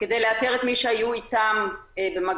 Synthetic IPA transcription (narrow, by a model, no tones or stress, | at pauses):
ked̪ejleat̪eʁet̪miʃeajuit̪ambemaɡ